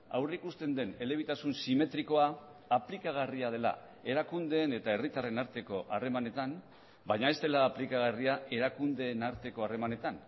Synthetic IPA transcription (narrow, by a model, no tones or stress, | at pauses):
a̰wreikust̪e̞nd̪e̞ne̞le̞β̞it̪asunsime̞t̪ɾiko̞aː | plikaɣ̞ariað̞e̞la̰ | e̞ɾakund̪e̞ːne̞t̪ae̞rit̪are̞naɾt̪e̞ko̞ʔare̞mane̞t̪am | bajɲae̞st̪e̞laːplikaɣ̞ariae̞ɾakund̪e̞ːnaɾt̪e̞ko̞are̞mane̞t̪an